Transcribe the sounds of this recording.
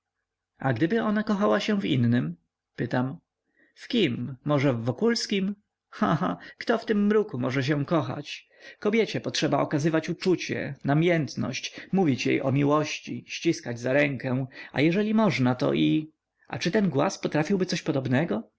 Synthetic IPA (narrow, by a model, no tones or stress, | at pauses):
aɡd̪ɘbɘɔnakɔxawaɕɛ̃vḭnːɘm | pɘt̪am | fkʲimːɔʐɛvːɔkulskʲim | xã̰xakt̪ɔft̪ɘmːɾukumɔʐɛɕ̬ɛkɔxa̰t͡ɕ | kɔbʲjɛt͡ɕɛpɔtʂɛbaɔkazɘvat͡ɕut͡ʂut͡ɕɛ̰namʲjɛnt̪nɔ̰ɕt͡ɕmuvʲit͡ɕjḛjʔɔ̰mʲiwɔɕt͡ɕiɕt͡ɕiskad͡ʑzaɾɛŋkɛ̃a̰jɛʐɛlʲimɔʐnat̪ɔ̰ʔi | ʔa̰t͡ʂɘt̪ɛnɡwa̰spɔt̪ɾafʲiwbɘt̪sɔɕpɔd̪ɔbnɛɡɔ